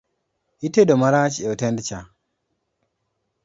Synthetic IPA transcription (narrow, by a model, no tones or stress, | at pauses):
ʔitedɔmaɾat͡ʃiɛtɛndt͡ʃa